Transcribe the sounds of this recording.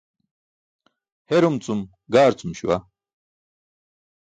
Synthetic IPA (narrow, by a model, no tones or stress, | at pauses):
hɛɾumt͡sʼum | ɡaːɾt͡sʼumʃuwa̰